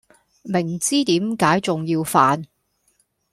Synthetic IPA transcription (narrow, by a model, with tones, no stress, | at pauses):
mɪ˨˩ŋt͡siː˥t̪iː˨˥mkaː˨˥jt͡sʊ˨ŋjiː˧wfaː˧n